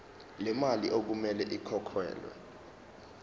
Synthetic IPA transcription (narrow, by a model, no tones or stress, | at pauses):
lɛmaliʔok̬umɛlɛʔikʰɔkʰwɛ̰ːlwɛ̰